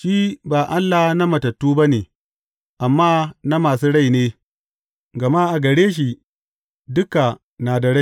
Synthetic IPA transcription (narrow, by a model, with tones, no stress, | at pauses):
ʃiː˦baː˨ʔa˦lːa˨hna˦mɐ˨tɐ˨tːuː˦ba˦neː˨ | ʔa˨mːaː˦na˦maː˨s̬uː˦ɽa˦˨jneː˦ | ɡɐ˨maː˦ʔa˨ɡɐ˨ɽeː˦ʃ̬i˨ | dʊ˦ka˨ | naː˨da˨ɽa˦˨